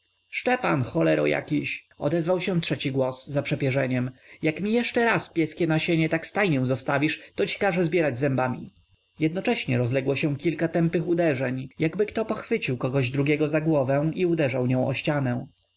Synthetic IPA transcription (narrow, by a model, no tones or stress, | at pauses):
ʂt͡ʂɛpanxɔlɛɾɔ̰ja̰kʲiɕɔ̰d̪ɛzvawɕɛ̃tʂɛt͡ɕiɡwɔsːzapʂɛpʲjɛʐɛɲɛmjakmʲijɛʂt͡ʂɛɾaspʲjɛskʲɛnaɕeɲɛt̪akst̪ajɲɛ̃zɔst̪avʲiʂt̪ɔt͡ɕi̥kaʐɛzbʲjɛɾad͡ʑzɛmbamʲḭ | jɛd̪̚nɔt͡ʂɛɕɲɛɾɔzlɛɡwɔɕɛ̃kʲilkat̪ɛmpɘxud̪ɛʐɛɲjaɡbɘkt̪ɔpɔxfɘt͡ɕiwkɔɡɔʑd̪ɾuɡʲɛɡɔzaɡwɔvɛw̃iud̪ɛʐawɲɔ̃w̃ʔɔ̰ɕt͡ɕanɛ̃